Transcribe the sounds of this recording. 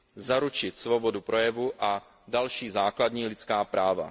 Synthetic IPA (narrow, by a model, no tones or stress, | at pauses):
zaɾut͡ʃɪt̪svo̞bo̞dupɾo̞jɛvuʔa | dalʃiːzaːkladɲiːlɪt͡skaːpɾaːva̰